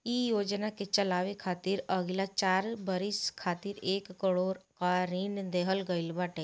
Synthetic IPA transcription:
ijoːd͡ʒnaket͡ʃəlaːʋekʰaːt̪iɾəɡlat͡ʃaːɾbəɾiskʰaːt̪iɾeːkːəɽoːɾkaɾiːnd̪eɦəlɡəilbaːʈeː

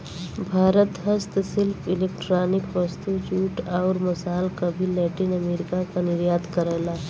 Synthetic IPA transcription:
bʱaːɾət̪ɦɐst̪sɪlpʰɪleːk̚ʈɾaːnɪkʋɐst̪ut͡ʃuːʈaːɾmɐsaːlkabʱilɛːʈinɐmeːɾɪkakanɪɾjaːd̪kɐɾeːlaː

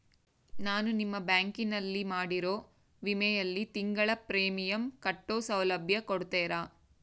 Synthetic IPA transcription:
naːnunimːɐbjaːŋkinɐlːimaːɽiɾo̞ː | ʋimɛjɐlːit̪iŋɡɐɭɐpɾeːmijɐmkɐʈːoːsɐwlɐbʱjɐkoɽt̪ɛːɾaː

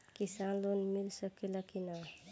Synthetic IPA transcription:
kisanlonmilsəkelakina

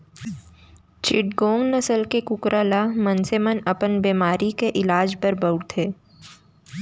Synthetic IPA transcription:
t͡ʃɪʈɡõːŋɡnɐsəlkekʊkɾalamənsemənɐpənbeːmaːɾikeʔɪlaːd͡ʒbəɾbəʊɽt̪ʰeː

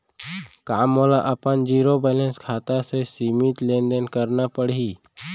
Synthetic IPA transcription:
kaːmoːlaʔəpənd͡ʒiːɾobɛːlẽnskʰaːt̪asesiːmit̪lẽːnd̪ənkəɾnapəɽiː

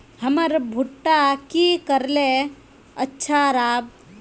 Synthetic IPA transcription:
həməɾbʱuʈːakikəɾle | ətːʃʰaɾaːb̚

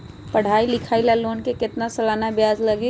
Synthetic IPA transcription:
pɐɽ̤aːilɪkʰaːilaloːnkekɪt̪nasɐlaːnabjaːzlɐɡe

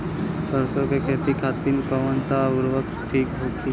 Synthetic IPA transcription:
səɾsokekʰeːt̪ikʰaːt̪inkəʋənsaʊɾʋək̚t̪ʰiːkbʱukʰi

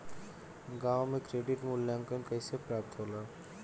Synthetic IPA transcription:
ɡawmekɾeɖiʈmulːjaŋkənkəjsepɾap̚t̪ɦola

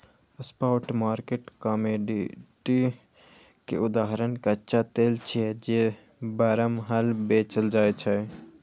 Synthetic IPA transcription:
spaːʈmaːɾkeːʈkaːmeːɖiʈi | kḛʊd̪aːɦəɾənkatːʃʰat̪eːlt͡ʃʰid͡ʒebaːɾəmɦəlbeːt͡ʃəld͡ʒaːet͡ʃʰɛ

